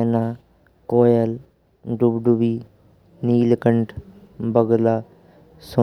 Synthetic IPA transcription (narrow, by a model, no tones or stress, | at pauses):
na | koːjəl | ɖubɖuʋiː | niːlkəɳʈ | bəɡlaː | sʊ